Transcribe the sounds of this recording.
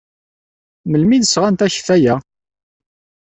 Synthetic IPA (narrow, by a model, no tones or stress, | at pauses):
məlmiðəsʁænt̪æçfæjæ